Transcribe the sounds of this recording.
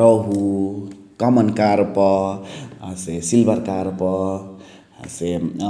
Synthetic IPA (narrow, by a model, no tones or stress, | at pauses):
ɾʌɦu | kʌmənkaɾpʌ | sesilbəɾkaɾpʌ | se